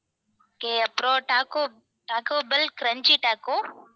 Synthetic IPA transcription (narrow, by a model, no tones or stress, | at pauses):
keəpɾoːʈaːko | ʈaːkoːbɪlkɾəɲt͡ʃiːʈaːko